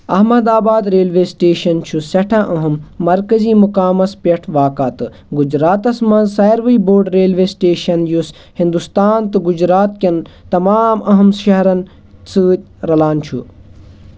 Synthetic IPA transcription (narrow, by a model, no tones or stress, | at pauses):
ɐɦmɐd̪aːbaːd̪ɾeːlʋeːsʈeːʃɐnt͡ʃʰusɐʈʰãʔɐɦumːɐɾkɐziːmukaːmɐspʲɐʈʰʋaːkaːt̪ɨ | ɡud͡ʒɾaːt̪ɐsmɐnsɐːjɾʋɐiboːɾɖɾeːlʋeːsʈeːʃɐnjus | hĩnd̪ust̪aːnt̪ɨɡud͡ʒɾaːt̪kʲɐn | t̪ɐmaːmɐɦɐmʃɐɦɾɐn | sɨːt̪̚ʲ | ɾɐlaːnt͡ʃʰṵ